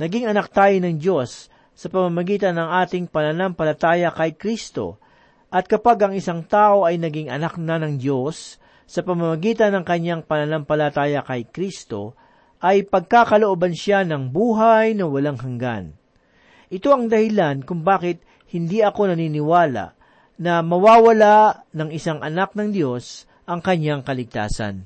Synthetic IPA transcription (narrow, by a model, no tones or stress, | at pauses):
nɐɡiŋɐnak̚t̪aːjɪnɐŋd͡ʒo̞sː | ɐpɐmamɐɡiːt̪ɐnːɐŋʔaːt̪ɪŋpɐnɐnampɐlɐt̪aːjɐkɐjkɾist̪o̞̰ | ʔɐt̪̚kɐpaɡɐŋɪsaŋt̪aːʔo̞ɐjnɐɡɪŋɐnak̚nɐnɐŋd͡ʒo̞sː | ɐpɐmamɐɡiːt̪ɐnːɐŋkɐɲaŋpɐnɐnampɐlɐt̪aːjɐkɐjkɾist̪o̞̰ | ʔɐjpɐɡ̚kakɐloʔoːbɐnʃanɐŋbuːɦajnɐwɐlaŋhɐŋɡa̰n | ʔɪt̪o̞ʔɐŋd̪ɐhɪlankʊŋbaːkɪt̪̚ | hɪnd̪iɐko̞nɐniːnɪwaːla̰ʔ | nɐmɐwaːwɐla | nɐŋɪsaŋʔɐnak̚nɐŋd̪jo̞s | ʔɐŋkɐɲːaŋkɐlɪɡ̚t̪a̰ːsɐ̰n